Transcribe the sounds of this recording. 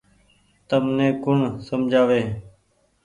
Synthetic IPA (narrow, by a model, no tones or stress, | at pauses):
t̪əmnẽːkʊɳsəmd͡ʒʱaːʋeː